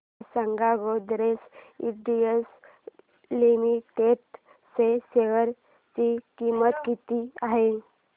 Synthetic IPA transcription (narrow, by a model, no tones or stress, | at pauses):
səŋɡaɡod̪ɾesiɖies | limiʈeʈ | seseʋəɾ | t͡ɕikimət̪kit̪iaɦe